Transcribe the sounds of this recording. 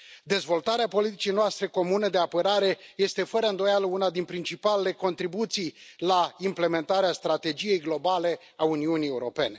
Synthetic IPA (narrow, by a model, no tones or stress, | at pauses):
d̪e̞zvo̞lt̪aɾeapo̞lit̪it͡ʃijnoast̪ɾe̞ko̞munəd̪e̞apəɾaɾe̞je̞st̪e̞fəɾəɨnd̪o̞jaləunad̪inpɾint͡ʃipalele̞ko̞nt̪ɾibut̪sijlaimple̞me̞nt̪aɾeast̪ɾat̪e̞d͡ʒije̞jɡlo̞bale̞ | auniunie̞uɾo̞pe̞ne̞